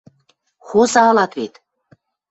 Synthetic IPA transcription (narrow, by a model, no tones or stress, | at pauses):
xosɑlˠɑt̪βet̪